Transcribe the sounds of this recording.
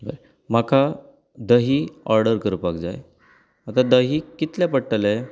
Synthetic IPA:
bə̰ɾ | m̤akʰa | d̪əɦiːɔɾɖəɾkəɾupakd͡za̰j | at̪ad̪əɦiːkit̪ljapəɽʈəlaj

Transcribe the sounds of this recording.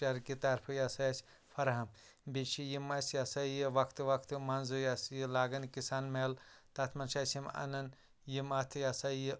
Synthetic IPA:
t͡ʃɐɾkit̪ɐɾpʰɨjɐsɐjɐsʲ | fʰɐɾɦɐmbit͡ʃijimɐsʲjasɐjiʋɐkʰt̪ʋɐkʰt̪mɐnzujasjilaːɡɐnkisaːnmelt̪at̪ʰmɐnʃaːsʲjimɐ̰nɐn | jimɐt̪ʰjasɐji

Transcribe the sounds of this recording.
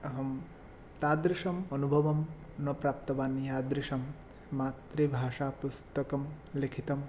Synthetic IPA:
ɐɦɐm | t̪aːd̪ɾiʃɐmɐnubʱɐʋɐm | nɐpɾaːp̚t̪ɐʋaːnijaːd̪ɾiʃɐmː | aːt̪ɾibʱaːʂaːpust̪ɐkɐm | likʰit̪ɐm

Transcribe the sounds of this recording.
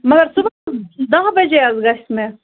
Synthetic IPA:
mɐɡɐɾsubɐd̪ɐɦbɐd͡ʒeɐzɡɐʃt̪me

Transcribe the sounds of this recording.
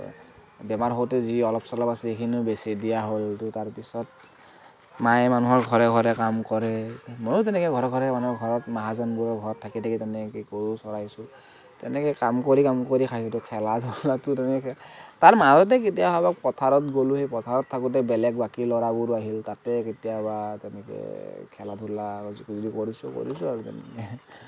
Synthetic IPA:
bɛmaɹɦowtɛziɔlɔpʰsɔlɔpasɛekʰinʊbesidijaɦojltʊtaɹpisɔt̚ | majmanuɦɔɹɡʱɔɹɛɡʱɔɹɛkamkɔɹɛmojʊtɛnɛkɔjɡʱɔɹɔɡʱɔɹɛmanuɔɡʱɔɹɔtmaɦazanbuɹɔɹɡʱɔɹtʰakitʰakitɛnɛkkoɹusɔɹajsʊ | tɛnɛkɛkamkoɹikamkoɹikʰajsɔtʊkʰɛladʱulatʊtɛ | taɹmaɦazɔt̬ɛk̬etijababakpɔtʰaɹɔtɡoluhejpɔtʰaɹɔtʰːakut̬ɛbɛlɛk̚bakilɔɹabuɹaɦiltatɛketijabatɛnɛkɛ̰kʰɛladʱulakzodikoɹisṵko̰ɹisʊaɹutɛ̰nɛ̰kɛ

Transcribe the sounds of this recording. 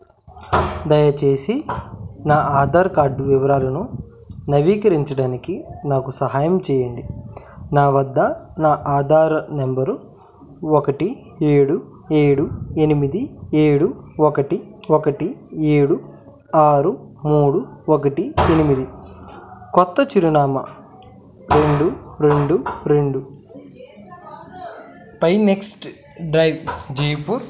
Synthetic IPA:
d̪ɐjɐt͡ʃe̞ːsinaːaːd̪ʱaːɾɐkaːɾɖʋiʋɐɾaːlɐnu | nɐʋiːkɐɾiɲt͡ʃɐɽaːnikinaːkusɐɦaːjɐmt͡ʃɛːjɐɳɖinaːʋɐd̪ːɐnaːʔaːd̪ʱaːɾɐnembɐɾ | okɐʈi | eːɽu | eːɽuenimid̪ieːɽuɔkɐʈi | okɐʈieːɽu | aːɾumuːɽuok̬ɐʈienimid̪i | kɔt̪ːɐt͡ʃuɾunaːmɐ | ɾe̞ɳɖuɾeɳɖuɾe̞ɳɖu | pɐjneksʈ | ɖɾɐjʋd͡ʒejpuɾ

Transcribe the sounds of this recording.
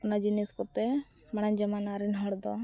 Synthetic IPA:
ɔnad͡ʒiniskɔt̪ɛ | maɽ̃aɲd͡ʒəmanaɾɛnɦəɽd̪ɔ

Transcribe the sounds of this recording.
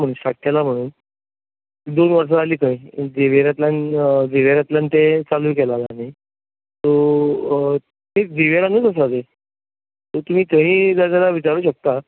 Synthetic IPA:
m̤əɽ̃uːnsaʈʰːjalam̤əɽ̃uːn | d̪onʋəɾʂ̬aaliːkaid͡zeʋeɾjat̪land͡zeʋeɾjat̪ljant̪et͡saluːkɛlalaːɽ̃i | t̪o | miːd͡ziʋeɾanːət͡səsad͡z̪e | t̪ot̪um̤iːt̪əɦĩːd͡zad͡zalaʋit͡ɕaɾuːɕək̚t̪a

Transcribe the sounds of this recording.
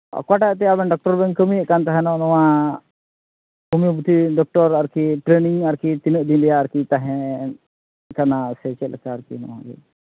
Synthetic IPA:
kwaʈat̪̬ɛabɛnɖɔk̚ʈɔɾbɛŋkəmiəʔkant̪aɦɛnɔ̃nɔwã | bumjũbut̪iɖɔk̚ʈɔɾaɾkiʈɾeniŋaɾkit̪inəʔd̪ind̪ɛjaːɾkit̪aɦɛ̃ | kanasɛt͡ʃɛləkaːɾkḭnɔ̰wã̰ɡɛ̰

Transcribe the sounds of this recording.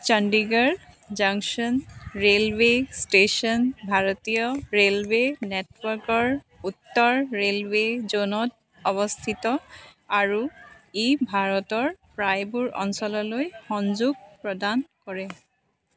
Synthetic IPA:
t͡ʃanɖiɡaɹ | zaŋksɔnɹelwesʈesɔnbʱaɹɔtijɔɹelwenetwɔɹkɔɹ | utːɔɹɹelwezonɔt̚ | ɔβɔst̪ʰitɔaɹuebʱaɹɔtɔɹpɹajbuɹɔ̰nsɔlɔlojxɔnzuɡ̚pɹɔdankɔɹɛ

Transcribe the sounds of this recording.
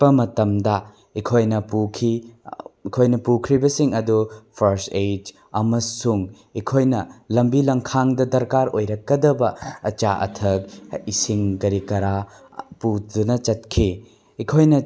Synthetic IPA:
ɐmɐtɐmdɐ | ikʰojnɐpukʰi | kʰojnɐpukʰɾibɐsiŋɐdupʰɐɾsed͡ʒ | ɐmɐsuŋ | ikʰojnɐlɐmbilɐŋkʰaŋdɐdɐɾkaɾojɾɐkːɐdɐbɐɐt͡ʃaʔɐ̰tʰɐk̚isiŋɡɐɾikɐɾa | pudunɐt͡ʃɐt̚kʰi | ikʰojnɐ

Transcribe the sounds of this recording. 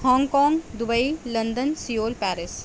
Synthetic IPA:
hɔ̃ːŋɡkɔːŋɡd̪ʊbəilɐnd̪ənsijoːlpæːɾɪs

